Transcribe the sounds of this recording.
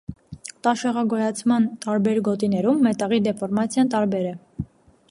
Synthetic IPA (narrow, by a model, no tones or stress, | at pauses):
t̪ɑʃɛʁɑɡɔjɑt͡sʰmɑnt̪ɑɾbɛɾɡɔt̪inɛɾumːɛt̪ɑʁid̪ɛfɔɾmɑt͡sʰjɑnt̪ɑɾbɛɾɛ